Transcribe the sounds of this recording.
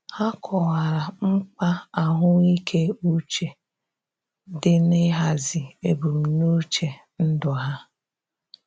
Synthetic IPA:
ha˦kʰɔ˨wa˨ɾa˨ŋ͡m̩˦k͡pa˦a˨ɦʊ˦i˦kʰe˦u˦t͡ʃe˨ | dɪ˦nɪ˦ɦa˨zɪ˨e˨bu˨m̩˨nu˦t͡ʃe˨ | n̩˦dʊ˨ɦa˦

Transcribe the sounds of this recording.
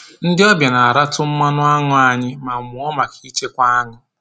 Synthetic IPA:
n̩˦dɪ˦ɔ˦bja˨na˨a˨ɾa˦tʊ˦m̩˦ma˦nʊ˦a˦ŋʊ˦a˨ɲɪ˦ma˨mʊ˨ɔ˦ma˨kʰi˦t͡ʃe˦kʷa˦a˦ŋʊ˨

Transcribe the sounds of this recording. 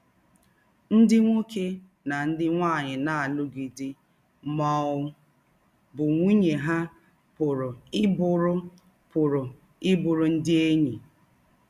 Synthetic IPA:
n̩˦dɪ˦ŋʷo˦ke˦ | na˨n̩˦dɪ˦ŋʷaː˦˨ɲɪ˨na˦˨a˨lʊ˦ɡi˨dɪ˦ | mɔ˨ʊ˦ | bʊ˨ŋʷi˦ɲe˨ɦa˦ | pʊ˨ɾʊ˨ɪ˦bʊ˦ɾʊ˦ | pʊ˨ɾʊ˨ | ɪ˦bʊ˨ɾʊ˨n̩˦dɪ˦e˦ɲi˨

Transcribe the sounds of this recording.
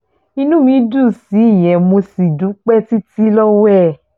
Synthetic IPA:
i˧nũ˦mĩ˧˦du˦˨si˨˦i˦˨j̃ɛ̃˨mo˧si˨du˨˦k͡pɛ˦ti˦ti˦lɔ˦wɛ˦˨

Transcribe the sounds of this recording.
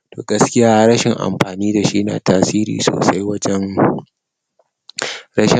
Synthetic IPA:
toː˨ɡɐ˦skʲɪ˦jaː˦ɾɐ˦ʃɪ˨ŋʔa̰˨mɸaː˨niː˦da˨ʃi˦na̰ː˨taː˦siː˦ɾḭː˨so̰ː˨sa˦jwɐ˦d͡ʒɛ˦ŋ | ɾɐ˦ʃɪ˨

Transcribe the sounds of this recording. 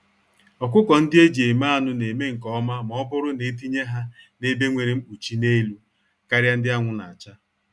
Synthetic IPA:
ɔ˨k̬ʷʊ˦kɔ˨n̩˦dɪ˦e˦d͡ʒi˨e˨ma˦a˦˨nʊ˦ne˨me˦ŋ̩˨kɔ˦ma˦m˨ɔ˦bʊ˦ɾʊ˦ne˨˦t̬i˦ɲe˦ɦa˦ne˦be˦ŋʷe˨ɾi˨m̩˦k͡pu˨t͡ʃi˦ne˦lu˦ | ka˦ɾja˦n̩˦dɪ˦a˦ŋʷʊ˨na˨a˨t͡ʃa˦

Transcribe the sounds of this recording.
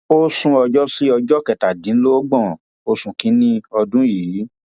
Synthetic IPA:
o˦sũ˧ɔ˧d͡ʒɔ˦si˦ɔ˧d͡ʒɔ˦kɛ˨ta˨dĩ˨˦n̩˦lo˦ɡ͡bɔ̃˦˨ | o˧sũ˨kĩ˨˦nĩ˦ɔ˧dũ˦ji˨i˨˦

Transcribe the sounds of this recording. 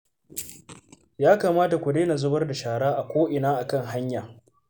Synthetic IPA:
jaː˦kaː˨maː˦ta˨kʷʊ˨deː˦na˨zʊ˦bɐ˦rda˨ʃaː˨ɽaː˦ʔa˨kʷoː˦ʔɪ˨naː˦ʔa˨kɐ˦˨ŋɦa˦ɲjaː˨

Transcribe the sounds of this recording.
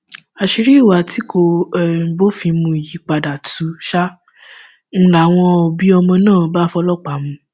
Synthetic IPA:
a˧ʃi˧ɾi˦i˦˨wa˨ti˨˦ko˧ɛ˦˨bo˦fĩ˧mũ˧i˨ji˨˦k͡pa˧da˨tu˨˦ʃa˦ | n̩˦la˨w̃ɔ̃˧ɔ˧bi˦ɔ˧mɔ̃˧nãː˦˨˧ba˦fɔ˧lɔ˦k͡pa˨˦mũ˧

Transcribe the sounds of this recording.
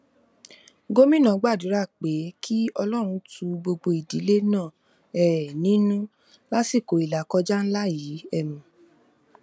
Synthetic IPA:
ɡo˦mĩ˦nã˨˦ɡ͡ba˦˨dũ˨˦ɾa˦˨k͡pe˨˦kʰi˦ɔ˧lɔ˦˨ɾ̃ũ˧tu˧ɡ͡bo˧ɡ͡bo˧i˨di˨˦le˦nãː˦˨ | ɛː˨nĩ˨˦nũ˦ | la˦si˦˨ko˨i˨la˨kɔ˧˦d͡ʒa˦n̩˦la˦ji˨˦ɛ˦˨mũ˨

